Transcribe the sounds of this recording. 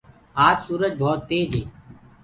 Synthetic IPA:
aːd͡ʒsuːɾəd͡ʒbʱɔːt̪ːeːd͡ʒeː

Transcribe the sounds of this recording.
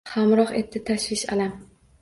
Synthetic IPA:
hamɾɒχe̞t̪ʰːɪt̪ʰaʃvɪʃa̰lam

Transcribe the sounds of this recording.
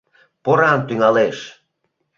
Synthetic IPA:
poɾɑnt̪yŋɑleʃ

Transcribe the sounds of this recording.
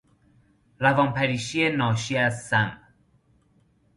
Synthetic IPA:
ɾævɒːnpʰæɾiːʃienɒːʃiæzsæm

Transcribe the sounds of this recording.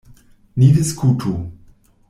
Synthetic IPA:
niviskʰutʰu

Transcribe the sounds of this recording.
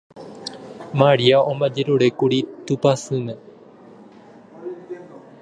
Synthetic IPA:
maɾiaʔõmbad͡ʒeɾuɾe̞kuɾit̪upasɨ̃mẽ

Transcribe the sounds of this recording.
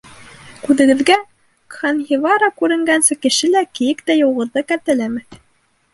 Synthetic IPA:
kʉðɘ̆ɡɘ̆ðɡæ | kχɑnhivɑɾɑkʉɾɘ̆ŋɡænsɘkɘ̆ʃɘlækɘ̆jɘkt̪æjŏwʁɤ̆ðːɤkæɾt̪ɘ̆læmɘ

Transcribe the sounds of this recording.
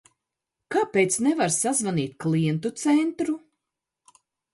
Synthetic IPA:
kapejt̪snɛvaɾsazvaniːt̪̚ʲkliɛnt̪̬ut̪sɛnt̪ɾu

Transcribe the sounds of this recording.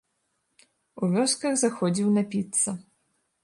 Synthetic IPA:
uvʲɔskɐɣzaxɔd͡zʲiwnɐpʲit̪sːɐ

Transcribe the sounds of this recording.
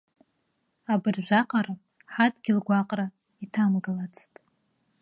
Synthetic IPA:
abɨrʒʷaqʼaɾa | ħatʼɡʲɪlɡʷaqʼra | itʰamɡɨlat͡sʰtʼ

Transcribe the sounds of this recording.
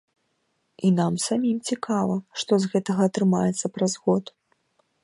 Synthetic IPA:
inamsamʲimt͡sʲikʰavɐʂt̪ɔzɣɛt̪ɐɣɐːt̪ɾɨmajɛt̪sːɐpɾazɣɔt̪

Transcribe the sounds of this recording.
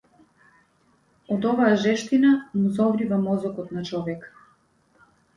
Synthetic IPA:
ɔd̪ɔvaaʒɛʃt̪inamuzɔvɾivamɔzɔkɔt̪nat͡ʃɔvɛk

